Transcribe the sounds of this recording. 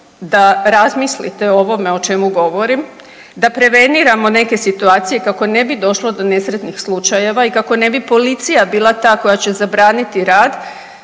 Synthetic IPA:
d̪aɾazmislḭt̪e̞o̞ʋo̞me̞o̞t͡ʃe̞muɡo̞ʋo̞ɾim | d̪apɾe̞ʋe̞niɾamo̞ne̞ke̞sit̪uaːt̪sije̞kako̞ne̞bid̪o̞ʃlo̞d̪o̞ne̞sɾet̪nixslˠut͡ʃaje̞ʋaikako̞ne̞bipo̞lit̪sijabiːlˠat̪aːko̞jat͡ɕe̞zabɾaːnit̪iɾaːd̪

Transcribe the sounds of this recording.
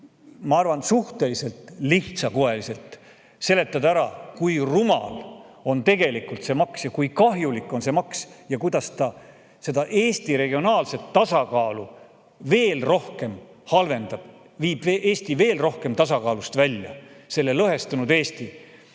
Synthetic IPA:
mɑɑrvɑnsuht̪e̞lise̞lt̪ˑliht̪sɑkoe̞lise̞lt̪ | se̞le̞t̪ːˑɑd̪æɾɑkujrumɑ̰lo̞nt̪e̞ɡe̞likˑult̪se̞ːmɑksjɑkujkɑɦjulikːˑo̞nse̞mɑksjɑkujd̪̥ɑst̪ɑ | se̞d̪̥ɑʔe̞ːst̪iɾe̞ɡio̞nɑːlse̞t̪ːɑsɑkɑːlu | ve̞ːlro̞hke̞m | hɑlve̞nd̪̥ɑb̥ | viːb̥eʔe̞ːst̪ive̞ːlro̞hke̞mt̪ɑsɑkɑːlust̪vælʲjɑ̰se̞lːelɤɦe̞st̪ɑnud̪e̞ːst̪i

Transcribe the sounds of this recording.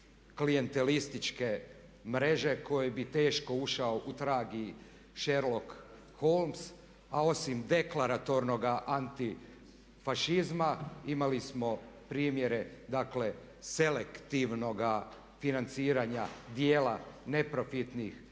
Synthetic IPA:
klije̞nt̪e̞list̪it͡ʃke̞ | mɾe̞ʒe̞ko̞jebit̪e̞ːʃko̞uʃao̞ʔut̪ɾaːɡi | ʃe̞ɾlo̞k | ho̞lms | ao̞simd̪e̞klaɾat̪o̞ɾno̞ɡaʔant̪i | faʃizmaimalismo̞pɾiːmje̞ɾe̞d̪akle̞ | se̞lekt̪iʋno̞ɡa | finant̪siːɾaɲad̪je̞ːlane̞pɾo̞fit̪nix

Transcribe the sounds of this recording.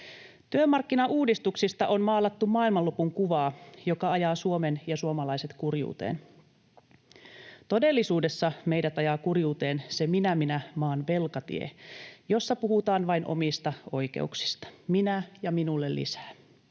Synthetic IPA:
t̪yømɑrkːinɑʔuːdist̪uksist̪ɑʔo̞nmɑːlɑt̪ːumɑːilmɑlupuŋkuʋɑːjo̞kɑɑjɑːsuomenjɑsuomɑlɑise̞t̪kurjṵːt̪ḛːn | t̪o̞de̞lːisuːdesːɑmejdæt̪ɑjɑːkurjuːt̪e̞ːnseminæminæmɑːnʋe̞lkɑt̪ḭḛjo̞sːɑpuhut̪ɑːnʋɑjnʔo̞̰mist̪ɑo̞jk̟e̞̰uksi̥st̪ɑ̥minæjɑminulːelːḭsæ̥ː

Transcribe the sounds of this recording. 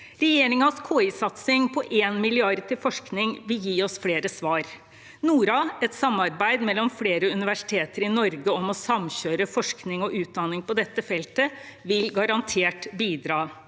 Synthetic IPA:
ɾɛjeːɾɪŋɑskʰoːɪsɑt̪sɪŋpʰɔʔeːnmɪlɪɑɾt̪ʰɪlfɔʂknɪŋʋɪljiːɔsfleːɾəsʋɑːɾ | nuːɾɑɛt̪sɑmːɑɾbæɪd̪mɛlːɔmfleːɾəʉnɪʋæʂɪ̥t̪ʰeːt̪əɾɪnɔɾɡəɔmɔsɑmɕøːɾəfɔʂknɪŋɔʔʉːt̪̚d̪ɑnɪŋpɔd̪ɛt̪ːəfɛlt̪əʋɪlɡɑɾɑnt̪ʰeːʈbiːd̪ɾɑː

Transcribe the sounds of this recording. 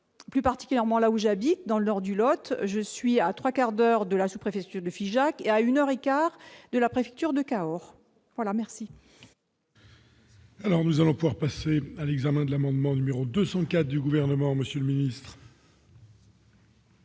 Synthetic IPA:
plypaʁt̪i̥kʲyljɛʁmɑ̃lauʒabit̪̚d̪ɑ̃lənɔʁd̪ylɔt̪ʒəsɥiat̪χwakaʁd̪œʁd̪əlasupχefɛk̚t̪yʁd̪əfiʒakeaynœʁekaʁd̪əlapχefɛk̚t̪yʁd̪əkaɔʁ | vwalamɛʁsi | alɔʁnuzalɔ̃puvwaʁpasealɛɡzamɛ̃d̪əlamɑ̃d̪mɑ̃nymeʁod̪øsɑ̃kat̪d̪yɡuvɛʁnəmɑ̃məsjələminist̪χ

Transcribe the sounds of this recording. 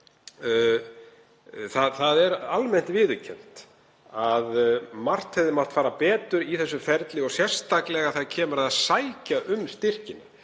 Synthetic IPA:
θaðθaðɛɾalmɛn̥t̪vɪːðʏcʰɛn̥t̪ | aðmar̥t̪hɛvðɪmat̪faːɾapɛːt̪ʏɾiθɛsːʏfɛɾt̪lɪɔɣsjɛr̥st̪ʰaklɛɣaθaðcʰɛːmʏɾaðaðsajcaʔʏmst̪ɪr̥cɪna

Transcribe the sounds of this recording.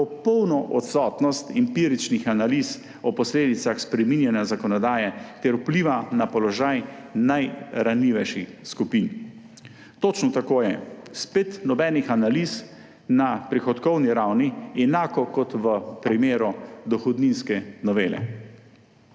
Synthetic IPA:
pɔpɔwnɔʔɔt̪sɔːt̪nɔst̪impiːɾit͡ʃnixanalis | ɔpɔsleːd̪it̪saxspɾɛminjɛnjazakɔnɔd̪aːjɛt̪ɛɾupliːʋanapɔlɔʒajnajɾanliːʋɛjʃixskupin | t̪ot͡ʃnɔt̪akoːjɛspet̪nɔbɛːnixanalis | napɾixɔt̪kɔwniɾawniɛnaːkɔkɔt̪ʋəpɾimeːɾɔd̪ɔxɔd̪ninskɛnɔʋeːlɛ̰

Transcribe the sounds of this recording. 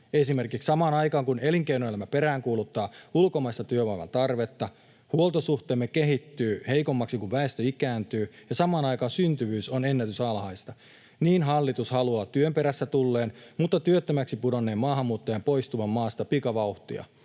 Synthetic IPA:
esime̞rkikssɑmɑːnɑjkɑːŋkune̞liŋkeinoelæmæpe̞ɾæːŋkuːlut̪ːɑːulkomɑist̪ɑt̪yøʋɑiʋɑ̰nt̪ɑrʋet̪ːɑ | huolt̪osuht̪eːmːekeɦit̪ːyːheikomːɑksikuʋʋæest̪øikæːnt̪yːjɑsɑmɑːnɑjkɑːnsynt̪yʋyːsonenːæt̪ysɑlhɑist̪ɑ | niːnɦɑlːit̪ushɑluɑːt̪yømpeɾæsːæt̪ulːe̞ːnmut̪ːɑt̪yøt̪ːømæksipudonːeːmːɑːhɑmːuːt̪ːojɑmpoist̪uʋɑmːɑːst̪ɑpikɑʋɑuht̪iɑ̰

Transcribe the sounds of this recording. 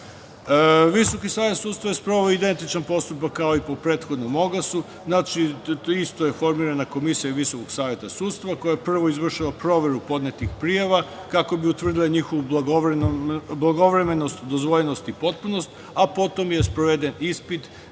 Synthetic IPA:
ʋiso̞kisaːʋjet̪suːt̪st̪ʋajespɾoaid̪e̞nt̪it͡ʃanpo̞st̪upakːao̞ipo̞pɾe̞t̪xo̞d̪no̞mo̞ɡasu | znat͡ʃiist̪o̞je̞fo̞ɾmiːɾanako̞misijaʋiso̞koɡsaːje̞t̪asuːt̪st̪ʋako̞japr̩ʋo̞izʋr̩ʃaʋapɾo̞ʋe̞ɾupo̞d̪net̪ixpɾijaʋa | kako̞biut̪ʋr̩d̪ilaɲixo̞ʋublaɡoʋɾblˠaɡo̞ʋɾe̞me̞nost̪d̪ozʋoʎeno̞st̪ipo̞t̪̚puno̞st̪ | apo̞t̪o̞mje̞spɾoʋe̞d̪enispit̪

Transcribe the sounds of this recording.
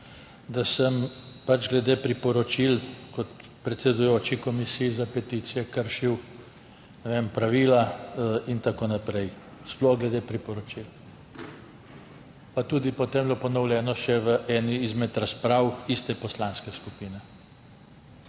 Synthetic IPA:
d̪asəmpad͡ʒɡlɛd̪eːpɾipɔɾɔt͡ʃilkɔt̪pɾɛt̪sɛd̪ujoːt͡ʃikɔmisijizapɛt̪iːt̪sijɛkəɾʃiw | nɛʋempɾaʋiːlaint̪akoːnapɾɛj | sploɡlɛd̪eːpɾipɔɾɔt͡ʃil | pat̪uːd̪ipɔt̪eːmblopɔnɔwlʲjɛːnɔʃɛʋəʔɛːniːzmɛt̪ɾaspɾaːwist̪ɛpɔslanskɛskupiːnɛ

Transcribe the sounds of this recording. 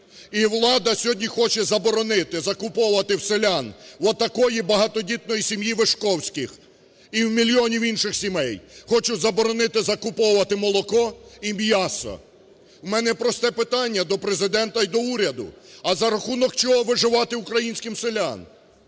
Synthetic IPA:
iwlˠɑd̪ɐsʲɔɦɔdʲnʲixɔt͡ʃɛzɐbɔɾɔnɪt̪ɪzɐkʊpɔwʊʋɐt̪ɪwselʲanʋɔt̪ːɐkɔjibɐɦɑt̪ɔdʲit̪̚nɔjisʲimjiʋeʃkɔwsʲkɪx | iwmʲilʲjɔnʲiwinʃɪxsʲimɛjxɔt͡ʃʊzɐbɔɾɔnɪt̪ɪzɐkʊpɔwʊʋɐt̪ɪmɔlˠɔkɔimʲjɑsɔ̰ | wmɛnɛpɾɔst̪ɛpɪt̪ɑnʲːɐd̪ɔpɾezɪd̪ɛnt̪ɐid̪ɔuɾʲɐd̪ʊ̰ɐzɐɾɐxunɔkt͡ʃɔɦɔʋɪʒɪʋɑt̪ɪʊkɾɐjinʲsʲkɪmselʲan

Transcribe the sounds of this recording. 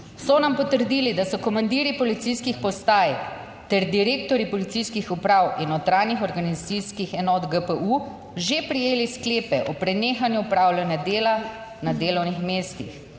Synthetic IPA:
sɔnampɔt̪əɾd̪iːlid̪asɔkɔmand̪iːɾipɔlit̪sijskixpɔst̪aːj | t̪ɛɾd̪iɾeːkt̪ɔɾipɔlit̪sijskixupɾaːwinɔt̪ɾaːnixɔɾɡanizat̪siskixɛnɔt̪ɡəpəʔu | ʒepɾijeːliskleːpɛʔɔpɾɛneːxanjuupɾaːwlanjad̪eːla | nad̪eːlɔwnixmeːst̪ḭx

